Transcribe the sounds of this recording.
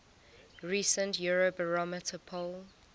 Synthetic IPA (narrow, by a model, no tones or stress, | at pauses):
ɹisə̃ntjuɹobəɹɔmɪtʰəpʰol